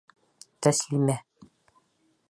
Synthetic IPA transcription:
t̪æslimæ

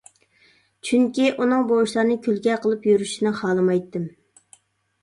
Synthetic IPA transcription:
t͡ʃʰyŋkʲiʔunɨŋbowuʃlˠɑɾnɨkʲʰylɡʲɛqʰəlˠɨpjyɾyʃinɨχɑːlˠɨmɑjt̪ːɨm

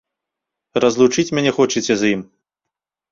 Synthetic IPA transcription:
rɐzlˠut͡ʂɨt͡sʲmʲanʲɛxɔt͡ʂit͡sʲɛzjim

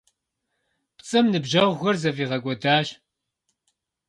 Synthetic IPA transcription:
pt͡sʼɨmnɨbʒɐʁʷɣʷɐrzɐviːʁɐkʷʼɔdaːʃ

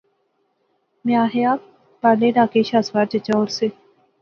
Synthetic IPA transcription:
mẽaːɦeaː | paːleːɖaːkeʃaːsʋaːɾt͡ʃət͡ʃaoːɾseː

